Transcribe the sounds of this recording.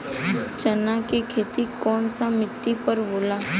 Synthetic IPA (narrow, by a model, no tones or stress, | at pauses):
t͡ʃənakekʰeːt̪ikɔːnsamɪʈːipəɾboːlaː